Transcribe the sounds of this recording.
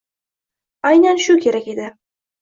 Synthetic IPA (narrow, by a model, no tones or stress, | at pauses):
ajnanʃʊkʲʰe̞ɾakʲe̞d̪ɪ